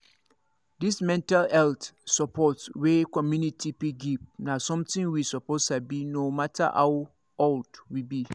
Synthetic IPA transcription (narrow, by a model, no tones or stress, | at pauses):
dismɛ̃ntʰalɛltsɔpʰɔtswekʰɔ̃mjũnitʰipiɡip̚nãsɔ̃mtʰɪ̃ŋwisɔpʰosabinõmatʰa̰ʔaw | ɔldwibi